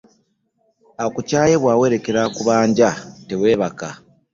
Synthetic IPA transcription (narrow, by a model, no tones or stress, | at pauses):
akucaːje̞βwaːwe̞ɾe̞ke̞ɾakuβaːɲɟate̞we̞ːβaka